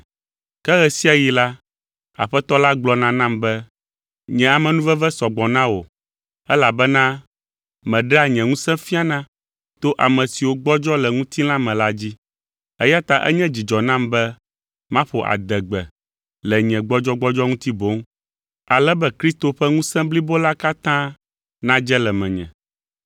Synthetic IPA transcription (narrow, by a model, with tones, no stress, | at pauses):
kɛ˦ɣɛ˨si˦a˨ji˨la˦ | a̰˨ɸɛ˦t̪ɔ˦la˦ɡ͡blɔ˦nã˦nã˦mbɛ˦ | ɲɛ̃˨a˨mɛ̃˨nũ˦vɛ˦vɛ˦sɔ˨ɡ͡bɔ˨nã˦wo˨ | ɛ˦la˨bɛ˦nã˦ | mɛ̃˨ɖɛ˦a˨ɲɛ̃˨ŋũ˦sɛ̃˦fi˦a˨nã˦ | t̪o˦ʔa˨mɛ̃˨si˨wo˦ɡ͡bɔ˦d͡ʒɔ˦lɛ˨ŋũ˦t̪i˦lã˦mɛ̃˨la˦d͡ʑi˦ | ɛ˦ja˦t̪a˦ʔɛ̰˦ɲɛ̃˦d͡ʑi˨d͡ʒɔ˨nã˦mbɛ˦ | mã˦ɸo˨ʔa̰˨d̪ɛ˨ɡ͡bɛ˨ | lɛ˨ɲɛ̃˨ɡ͡bɔ˦d͡ʒɔ˦ɡ͡bɔ˦d͡ʒɔ˦ŋũ˦t̪i˦bo˦ŋ | a˨lɛ˦bɛ˦kɾi˦st̪o˨ɸɛ˦ŋũ˦sɛ̃˦bli˦bo˦la˦ka˦t̪ã˦ | nã˦d͡ʒɛ˦lɛ˨mɛ̃˨ɲɛ̰̃˨